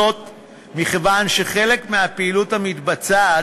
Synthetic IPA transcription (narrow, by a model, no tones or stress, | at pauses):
ot | miχevanʃe̞χe̞le̞kmeapeiluthamit̪bat͡sa